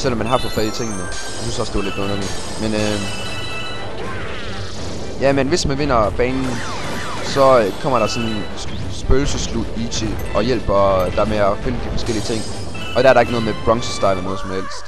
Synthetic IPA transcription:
sel̰ːɒ̽mːænɦɑ̈fʰɒfɛit͡sʰe̝ŋ̰nə | j̥ɑsynsɒ̽sd̥e̝ʋɑle̝d̥ɔ̽nɐli | menø | jæmenʋe̝smænʋe̝n̰ɐb̥ɛːnn̩ | sɒ̽kʰɒ̽m̰ɐɾ̥ɑ̈sɒ̽n | sb̥øːl̩səslud̥ˠiɕʰe | ʔɒ̽jel̰b̥ɒ̽d̥ɑmeæfenəd̥ifɒ̽sɡ̥el̰iət͡sʰe̝ŋ̰ | ɒ̽d̥æɐɾɑe̝ɡ̥nɔ̽ðˠmeb̥ʁɒ̽ŋsəsd̥ɑ̈ɪlænɔ̽ːð̞̩ˠsɒ̽mhel̰sd̥

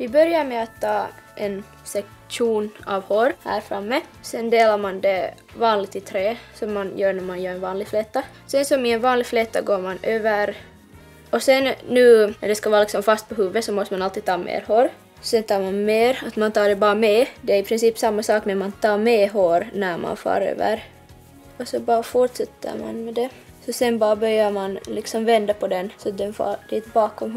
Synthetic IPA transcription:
vɪbœɾjaɾmɛat̪ʰːɑːʔɛn | sɛk | ʂuːnɑ̰vhoːɾhæ̰ːɾfɾamːə | sɛnd̪eːlaɾmand̪ɛ | vɑːnlɪɡ̚t̪ɪt̪ʰɾeːsɔmːanjœːɳæmanjœːɾɛnvɑːnlɪɡflɛt̪ːa | sɛnsɔmɪɛnvɑːnlɪɡflɛt̪ːa̰ɡoːɾmanøːvəɾ | ɔsɛnːʉːnædɛskavɑːɾlɪksɔmfast̪̚pʰɔɦʉːvːəsɔmɔst̪əmanalt̪ːiːt̪ʰɑːmʔḛːɾhoːɾ | sɛnt̪ʰɑːɾmanmeːɾat̪mant̪ʰɑːɖɛbɑːameːd̪ɛæɾipʰɾɪnsiːpsamːasɑːknæmant̪ʰɑːmeːɦoːɾnæɾma̰nfɑ̰ːɾø̰ːvə̰ɾ | ɔsɔbɑːɾafuʈsɛt̪ʰːə̰ɾma̰nmɛd̪ɛ | sɔsɛnbɑːɾabœɾjaɾmanlɪksɔmvɛnd̪apʰɔd̪ɛnsɔat̪̚d̪ɛnfɑ̰ːd̪ɛt̪bɑːkɔmh

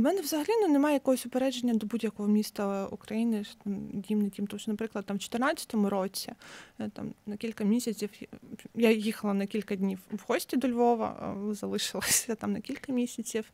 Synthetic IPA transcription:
mɛnɛwzɐɦɐlʲinɔnemajɛjɐkɔɦɔsʲʊpeɾɛd͡ʒenʲːɐd̪ɔbudʲjɐkɔɦɔmʲist̪ɐṵkɾɐjinɪt̪amdʲimnɐdʲimt̪ɔmʃɔnɐpɾɪklˠɐd̪̚t̪amwt͡ʃɔ̥t̪ernat͡sʲːɐ̥t̪ɔmʊɾɔt͡sʲit̪a̰mnɐkʲilʲkɐmʲisʲɐt͡sʲiwjajixɐlˠɐnɐkʲilʲkɐdʲnʲiwwhɔsʲtʲid̪ɔlʲʋɔʋɐ̰zɐlˠɪʃɪlˠɐsʲɐt̪amnɐkʲilʲkɐmʲisʲɐt͡sʲiw

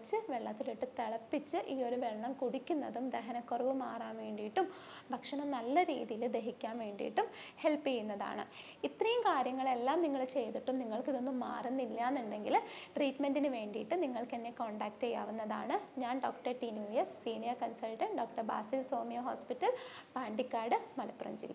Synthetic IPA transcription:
t͡ɕːɨʋe̞ɭːɐt̪ːiliʈːɨt̪eɭɐpːit͡ɕːɨʔiːo̞ɾuʋeɭːɐmkuɽikʲːunːɐðumd̪eɦɐnɐkːorɐʋɨmaːraːmʋe̞ːɳɖijiʈːum | bʱɐkʂɐnɐmnɐlːɐɾḭːðijild̪e̞ɦikʲːaːmʋe̞ːɳɖḭjḭʈːumhe̞ɭpːijunːɐða̰ːɳɨ̰ | it̪rɐjumkaːɾjɐŋːɐɭe̞lːaːmniŋːɐɭt͡ɕe̞jðiʈːumniŋːɐɭkiðo̞nːumːa̰ːrunːilːaːnːuɳɖe̞ŋɡilʈriːʈmendinɨʋe̞ːɳɖiʈːɨniŋːɐɭke̞nːeko̞ːɳɖaːk̚ʈejːa̰ːʋunːɐða̰ːɳɨɲaːnɖo̞ːkʈɐrʈinjuːjesːiːnijɐrkɐnsɐlʈɐɳɖo̞ːkʈɐrba̰ːsilsoːmijɐɦoːspitːɐlpaːɳɖikːaːrɖɨmɐlɐpːurɐ̰md͡ʑḭl

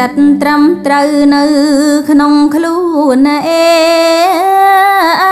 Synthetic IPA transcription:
ət̪̚nt̪rəmt̪rəwnɨwkʰnoŋkʰluːnaʔeː

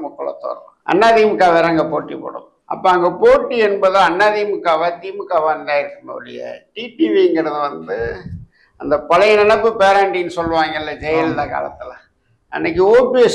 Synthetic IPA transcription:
mʊkːɯɭɐ̰t̪ːo̰ːɾɐ̃ | ʔɐ̰nːaːðiːmɯkːaːʋeːɾɐɐŋɡɐpoːʈːipo̰ːɽʊ̰̃ | ʔɐ̰pːoːɐŋɡɐpoːʈːiɛnbɐðãɐnːaːðimɯkːaːʋaːt̪iːmɯkːaʋand̪ãːɪɾɯkːɯmɐ̰ɽɪ̰jɐ̰ʈiːʈiʋiɪŋɡɪɾɐðɯʋɐnd̪ɯ | ɐnd̪ɐpɐlɐjnɐɳɐpːɯpeːɾaːɳʈiːnɯsɔlːɯʋaːŋɡɐɪlːɐd͡ʒɛjɐllɐka̰ːlɐ̰t̪ːɯlɐ | ɛ̰nːɐk̬ːɯoːpːiɛs

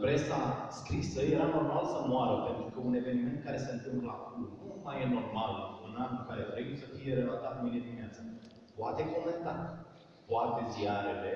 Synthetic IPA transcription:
pɾe̞saskɾisəje̞ɾano̞rmalsəmoaɾəpe̞nt̪ɾukəune̞ve̞nime̞nt̪̚kaɾe̞se̞ɨnt̪ɨmpləakulnumajeno̞rmalunanukaɾe̞t̪ɾe̞bujesəfije̞ɾe̞lat̪at̪mined̪imiat̪zə | poat̪e̞ko̞me̞nt̪at̪ | poat̪e̞ziaɾele

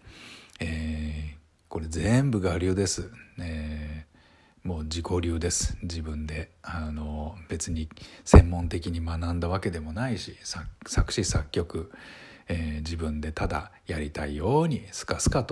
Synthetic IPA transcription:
eː | ko̞ɾe̞ze̞mbɯ̟ɡaɾʲɯːd̪e̞sɨeː | mo̞ːd͡ʑiko̞ɾʲɨːd̪e̞sɨ̥d͡ʑibɯ̟̃nd̪e̞ano̞b̥e̞t͡sɨɲ̟isẽ̞mːõ̞nt̪e̞kʲiɲ̟imanãnd̪aβ̞ake̞d̪e̞mo̞naiɕisasakɯ̟̥ɕisakʲːo̞kɯ̟ | eːd͡ʑibɯ̟̃nd̪e̞t̪ad̪a̰jaɾʲit̪aijo̞ːɲ̟isɨ̥kasɨ̥kat̪o

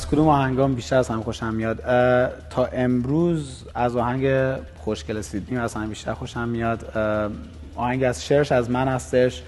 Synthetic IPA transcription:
æz̥kʰod̪uːmɒːhæŋɡɒːmbiʃt̪æɾæz̥hæmxoʃæmːijɒːd̪t̪ʰɒːʔe̞mɾuːz | æzɒːhæŋɟe | xoʃcelesid̪niːmæz̥hæmbiʃt̪æ̰ɾxoʃæmːijɒːd̪ | ɒːhæŋɟiæzʃeɾʃæzmænhæst̪eʃ

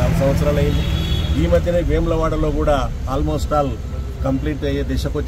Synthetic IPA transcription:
sɐmʋɐt̪sɐɾɐlɐjiniiːmɐd̪ʱjɐneːʋeːmlɐʋaːʈɐlo̞ːkuːɽaː | aːlmo̞ːsʈaːl | kɐmpliːʈɐjed̪ɛːʃɐkot͡ʃː

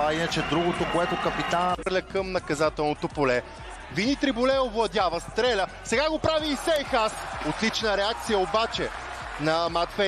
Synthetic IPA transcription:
ainɐt͡ʃɛd̪ɾuɡot̪okoɛt̪okɐpit̪anɾlʲɐkəmnɐkɐzat̪ɛlˠnot̪opolɛ | vinit̪ɾibolɛovlˠɐd̪javəst̪ɾɛlʲə | sɛɡaɡopɾaviːsɛjxasot̪lit͡ʃnəɾɛak̚t̪sijəobat͡ʃɛ | nɐmat̪fɛ

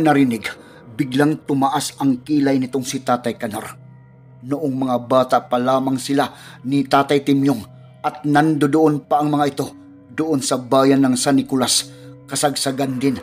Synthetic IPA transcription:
nɐɾinɪɡ | bɪɡlaŋt̪ʊmaʔasɐŋkiːlajnɪt̪oŋsit̪aːt̪ajkɐnaɾ | nʊʔoŋmɐŋabaːt̪aʔpalaːmaŋsɪlanit̪aːt̪ajt̪ɪmjoŋ | ʔɐt̪̚nand̪od̪ʊʔonpaʔɐŋmɐŋaʔɪt̪o̞ | d̪ʊʔonsɐbaːjanːɐŋsanɪkulaskɐsaɡsaɡand̪ɪn

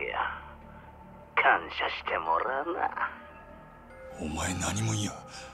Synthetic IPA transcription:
a̰ | kʰanɕaɕi̥t̪ʰemo̰ɾana̰ | omaenaɲimoia

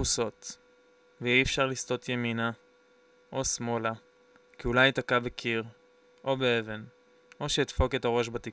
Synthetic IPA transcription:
uso̞t̪ | veiefʃaʁlisto̞t̪jemina | ʔo̞smo̞la | kiulajt̪akabekʰiʁ | ʔo̞beeve̞n | ʔo̞ʃeit̪fo̞ke̞taʁo̞ʃbat̪i

